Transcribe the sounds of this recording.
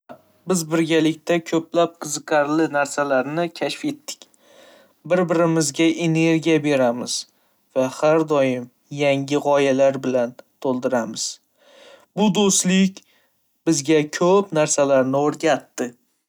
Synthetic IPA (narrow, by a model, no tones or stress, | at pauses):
bɪzbɪɾɡʲalɪkʲt̪ʰakʲʰɵplap̚qʰɨzɨqʰɑɾlɪnaɾsalaɾnɪkʲʰaʃfe̞t̪ːɪ̥kʲ | bɪɾbɪɾɪmɪzɡʲaʔe̞ne̞ɾɡʲijabe̞ɾamɪz̥ | vahaɾd̪ɒjɪm | jaŋɡʲɪʁɒjalaɾbɪlant̪ʰolˠd̪ɪɾamɪz̥ | bʊd̪ost̪lɪkʲ | b̥ɪzɡʲakʲʰɵpnaɾsalaɾnɪoɾɡʲat̪ːɪ